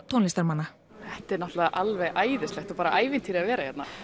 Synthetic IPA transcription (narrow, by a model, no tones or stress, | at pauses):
t̪ʰownlist̪aɾmanːa | θɛht̪ɛɾnɔht̪laðʔalvɛɣʔaːjðɪst̪ɛxt̪ɔpaːɾaʔaːjvɪnt̪ʰiːɾɪavɛːɾajɛt̪na